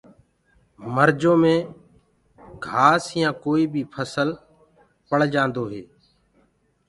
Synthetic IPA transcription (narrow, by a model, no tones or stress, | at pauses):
məɾd͡ʒõːmẽː | ɡʱaːsjãːkoːiːbʱiːpʰəsəl | pəɽ̤d͡ʒãːnd̪oːɦeː